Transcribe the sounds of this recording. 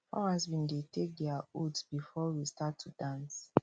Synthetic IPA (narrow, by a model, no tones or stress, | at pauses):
hɔ̰hazbĩndetek̚dɛautsbifɔwistatʰːudãns